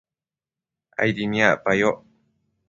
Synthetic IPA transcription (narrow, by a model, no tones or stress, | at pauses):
a̰iɾimiapajo